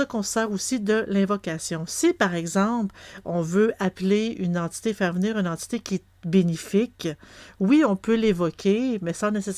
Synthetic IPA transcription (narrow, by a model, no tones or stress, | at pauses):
ɔkɔ̃ssaːʁusid̪əlɛ̃vɔkasjɔ̃sipaʁɛɡzɑ̃plɔ̃vøʔapleynɑ̃t̪i̥t̪efɛːʁvəniːʁynɑ̃t̪i̥t̪ekʲiɛ | benifɪkwiɔ̃pølevɔkʲʰemɛsɑ̃neses